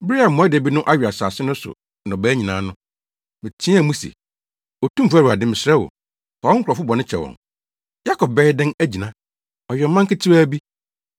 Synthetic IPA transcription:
bɾi˦a˨mɔ̃˨˦ɛ˦de˨bi˦nʊ̃˦ʔa˦ɥᶣa˨saː˨sɪ˦nʊ̃˦sʊ̰˨ | nɔ̃˨bæː˦ɲĩ˨nãː˨˦nʊ̃˦ | mɪ̃˨t͡ɕʰĩ˦æ˨mũ˦sḛ˨ | ɔ˨tũ˦m̩˨fæ˦ɾu˨a˨dɪ̃˦mɪ̃˨sɾɛ˦wo̰˨ | kɔ˨ɔ̃˦ŋ˦kʰʷɔ˨fʊ˦bɔ˨nɪ̃˦t͡ɕʰɛ̰˨wɔ̰̃˨ŋ | ja˦kʰɔ˨b̚bɛ˦ɪ˦dɪ̃˦næ˦d͡ʑi˨nã˨˦ | ɔ˨ɥɛ˨m˨mã˦ŋkɪ˦tʰi˦waː˦bi˦

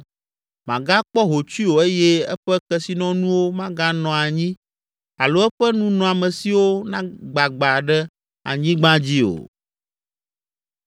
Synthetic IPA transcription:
mã̰˨ɡa˦k͡pɔ˦ɦo˨t͡ʃi˦wo˨e˦jɛ˦ɛ̰˦ɸɛ˦kɛ˨si˨nɔ̃˦nũ˦wo˦mã˦ɡa˦nɔ̃˨a˨ɲĩ˦ | a˨lo˦ɛ˦ɸɛ˦nũ˦nɔ̃˨a˨mɛ̃˨si˦wo˦nã˦ɡ͡ba˨ɡ͡ba˨ɖɛ˦ | a̰˨ɲĩ˦ɡ͡bã˦d͡ʑi˦o̰˨

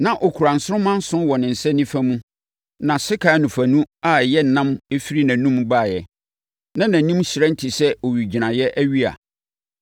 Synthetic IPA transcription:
nã˨ʔɔ˨kʰu˨ɾã˨n̩˨sʊ˦ɾʊ˦mã˦n̩˦sʊ̃˦nwɔ˨nɪ̃˨n̩˨sɛ˦nĩ˦fa˦mũ˦ | nã˨sɪ˦kʰa˨˦nũ˨fæ˨nũ˦a˨jɛ˦n̩˨nã˦me˦fi˦ɾi˦nã˨nũ˦m˦ba˦˨jɛ˨ | nã˦nã˨˦nĩ˦msi˨ɾã˦n̩˦tʰi˨sɛ˦o˨ɥi˨d͡ʑi˨nã˨jɛ˦ʔæ˦ɥi˦a̰˨

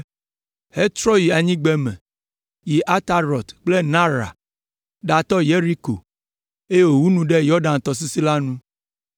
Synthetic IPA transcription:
he˦t͡ʃ̪ɾɔ˦ji˨a˨ɲĩ˦ɡ͡bɛ˦mɛ̰̃˨ | ji˨ʔa˦t̪a˦ɾɔ˨t̪k͡ple˦nã˦ɾa̰˨ | ɖa˨t̪ɔ˦je˦ɾi˦ko̰˨ | e˦je˦wo˨wu˦nũ˦ɖe˦jɔ˦ɖã˨n˨t̪ɔ˨s̬i˦si˦la˦nũ˦

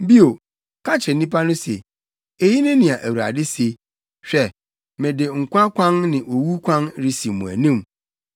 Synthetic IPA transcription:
bi˦o˨ | kʰa˦t͡ɕʰɾɪ˨n˦nĩ˦pʰa˦nʊ̃˦sḛ˨ | e˨ji˦nʊ̃˦nɪ̃˨a˨ʔæ˨wu˨ɾa̰˨dɪ˦se˦ | ɕᶣɛ˦ | mɛ̃˨dɪ˨ŋ̩˨kʷʰã˦kʰʷã˦nnɪ̃˨ʔo˨wu˦kʷʰã˦nɾi˦si˨mũ˨æ̰˨nĩ˦m

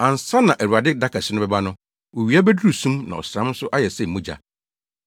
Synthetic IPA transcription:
ã˨n˨sa˦nã˨ʔæ˨ɾu˨a˨dɪ˦da˦kʰa˨sɪ˦nʊ̃˦bɛ˦ba˦nʊ̃˦ | wɔ˨ɥi˨a˦bɛ˦dɾu˨sũ˦mnã̰˨ɔ̰˨sɾã˦m˦sʊ˦ʔa˦jɛ˨sɛ˦˨m̩˨mũ˦d͡ʑa̰˨

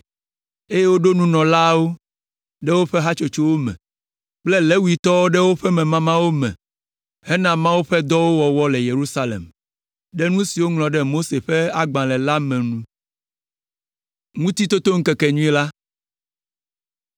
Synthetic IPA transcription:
e˦je˦wo˦ɖo˦nũ˦nɔ̃˨la˦wo˦ | ɖɛ˦wo˦ɸɛ˦ɦa˦t͡ʃo˦t͡ʃo˦wo˦mɛ̰̃˨ | k͡plɛ˦lɛ˦wu˦i˨t̪ɔ˦wo˦ɖɛ˦wo˦ɸɛ˦mɛ̃˨mã˦mã˦wo˦mɛ̰̃˨ | hɛ˦nã˦˨mã˦wo˦ɸɛ˦d̪ɔ˦wo˦wɔ˨wɔ˦lɛ˨je˨ɾu˦sa˦lḛ˨m | ɖɛ˦nũ˦si˨wo˦ŋlɔ̃˨ɖɛ˦mo˦se˨ɸɛ˦a˦ɡ͡bã˨lɛ˨la˦mɛ̃˨nũ˦ | ŋũ˦t̪i˦t̪o˦t̪o˦ŋ̩˦kɛ˨kɛ˨ɲũ˦ɛ˦la˦

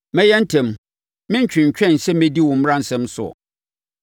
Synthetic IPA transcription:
mɛ̃˦jɛ˦n̩˦tʰɛ̃˨m | mɪ̃˦ɲ̩˦t͡ɕᶣɪ̃˨ɲ̩˨t͡ɕᶣɛ̃˦˨n̩˨sɛ˦m˦mɛ̃˦di˦wɔ̃˨m̩˦ɾã˦n̩˨sɛ̃˦msʊ˨ɔ̰˨

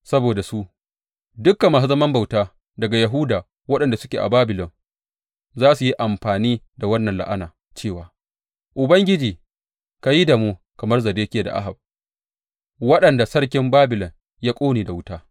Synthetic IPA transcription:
sɐ˦boː˨da˨su˦ | dʊ˦kːa˨mːaː˨s̬u˦zɐ˦mɐ˦mba˨wtaː˦ | dɐ˨ɡa˨ja˨ɦʊ˦daː˨ | wɐ˦ɗɐ˨nda˨sʊ̥˦kʲeː˨ʔa̰˨baː˦bɪ˨lɔ˨ŋ | zaː˦su˨ji˦ʔa˨mɸaː˨niː˦ | da˨wɐ˦nːɐ˨nla̰˦ʔa˦na̰ː˨ | t͡ʃeː˦˨waː˨ | ʔʊ˨bɐ˦ŋɡʲɪ˦d͡ʒiː˨ | ka˨ji˦da˨moː˦ | kɐ˨mɐ˦rzɐ˨deː˦kʲeː˨da̰˨ʔa̰˦ɦa˨b̚ | wɐ˦ɗɐ˨nda˨sɐ˦rkʲɪ˦mbaː˦bɪ˨lɔ˨ŋ | jaː˦kʷʼoː˦neː˨da˨wʊ˦taː˦

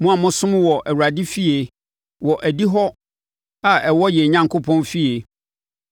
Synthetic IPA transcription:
mũ˦a˨mʊ̃˦sʊ̃˦m̃˦wɔ˨ʔæ˨wu˨ɾa˨di˦fi˦e˨ | wɔ˨ʔæ˨di˦ɦɔ˦ | a˨ɛ˨wɔ˦jɛ˨ɲã˨ŋkʰo˦pʰɔ̃˦nfi˦e˨

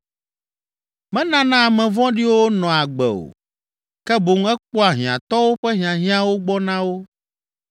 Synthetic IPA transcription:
mɛ̃˦nã˦nã˦a˨mɛ̃˨vɔ̃˦ɖi˦wo˦nɔ̃˨a˨ɡ͡bɛ̰˨o̰˨ | kɛ˦bo˨ŋ˦ɛ˦k͡pɔ˦a˨ɦĩ˨ã̰˨t̪ɔ˦wo˦ɸɛ˦ɦĩ˨ã˨ɦĩ˦ã˦wo˦ɡ͡bɔ˦nã˦wo˦

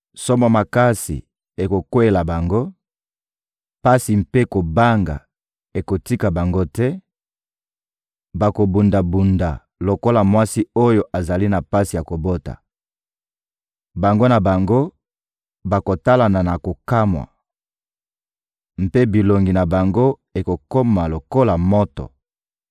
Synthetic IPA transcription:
so˦mo˨ma˨ka˦sḭ˨ | e˨ko˨kwe˦˨la˨ba˨ŋɡo˦ | pa˦si˨mpe˦ko˨ba˦ŋɡa̰˨ | e˨ko˨ti˦ka˨ba˨ŋɡo˦tɛ˦ | ba˨ko˨bu˨nda˨bu˨nda˨ | lo˨ko˦la˨mwa˦si˦o˦jo˨ʔa˨za˨li˦na˨pa˦si˨ja˨ko˨bo˦ta̰˨ | ba˨ŋɡo˦na˨ba˨ŋɡo˦ | ba˨ko˨ta˦la˨na˨na˨ko˨ka˦mwa̰˨ | m̩˨pe˦bi˨lo˨ŋɡi˨na˨ba˨ŋɡo˦ | e˨ko˨ko˦ma˨lo˨ko˦la˨mo˦tɔ̰˨

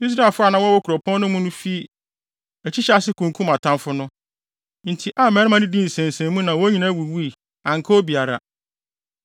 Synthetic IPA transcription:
i˦s̬ɾa˦˨lfʊ˦a˦˨nã˨˦wɔ˦wɔ˦kʰɾɔ˨pʰɔ̃˦n˦nʊ̃˦mũ˦nʊ̃˦fi˦ | ɛ˨t͡ɕʰi˦ɕɛ˦a˨sɪ˦kʰũ˨ŋ˨kʰũ˦ma˨tʰã˦mfʊ˦nʊ̃˦ | n̩˨tʰi˨ʔa˦˨mɛ˨˦ɾɪ˦mã˦nɪ̃˦dĩ˦n̩˨sɛ̃˨n˨sɛ̃˨˦mũ˦nã˨wɔ˦ɲĩ˨˦nã˦˨wu˨wu˦i˨ | ã˨ŋ̩˨kʰɔ˦o˦bi˨a˨ɾa̰˨

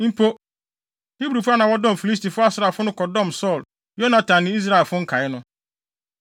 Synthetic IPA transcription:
m̩˦pʰo˦ | hi˦bɾu˨fʊ˦a˦nã˨wɔ˦dɔ̃˦m˨fi˨li˦s̬ti˨fʊ˦a˦sɪ˨ɾa˨fʊ˦nʊ̃˦kɔ˨dɔ̃˦˨msɔ˦˨l | jo˦nã˨tʰã˨nːɪ̃˦i˦s̬ɾa˦ɛ˨fʊ˦ŋ̩˦kʰa˨ɪ˦nʊ̃˦

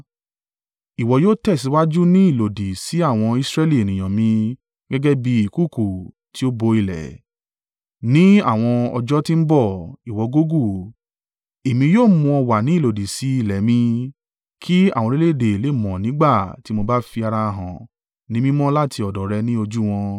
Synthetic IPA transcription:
i˨wɔ˨joː˦tɛ˦˨si˨˧˦wa˦d͡ʒu˦nĩ˦i˦˨lo˨di˨si˨˦a˦˨w̃ɔ̃˧i˧sɾɛ˦li˦˨e˨nĩ˨j̃ã˨mĩ˧ | ɡɛ˦ɡɛ˦bi˧˦i˦˨ku˦˨ku˨ | ti˨˦o˦bo˧i˧lɛ̰˨ | nĩ˦a˦˨w̃ɔ̃˧ɔ̰˧d͡ʒɔ˦ti˦m̩˦bɔ˦˨i˨wɔ˨˧ɡo˦ɡu˦˨ | e˨mĩ˧joː˦˨mũ˧ɔ˧wa˨nĩ˨˦i˦˨lo˨di˨si˨˦i˦˨lɛ˨mĩ˧ | kʰi˦ã̰˦˨ɔ̃˧ɾe˦le˦˨de˨le˨˦˨mɔ̃˨nĩ˨˦ɡ͡ba˦˨ti˨˦mo˧ba˦fi˧a˧ɾa˧ɦã̰˨ | nĩ˨˦mĩ˦mɔ̃˦la˦˨tʰi˧ɔ˨dɔ˨ɾɛ˧nĩ˦o˧d͡ʒu˦w̃ɔ̃˧

